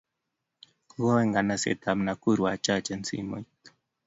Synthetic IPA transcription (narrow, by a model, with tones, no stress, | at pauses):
ɣɔ˦we˦ŋɡa˨na˨sɛ̰˨t̪a˨mna˨ku˦ɾwa˨t͡ʃa˦˨t͡ʃɛ˦nt͡sḭ˦mo̰˨it̪